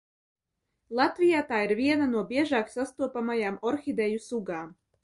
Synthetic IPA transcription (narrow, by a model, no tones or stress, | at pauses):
lˠɑt̪vʲijaːt̪aːiɾvʲiɛnanuɔbʲiɛʒaːksast̪uɔpamajaːmɔɾxʲid̪ɛjusuɡaː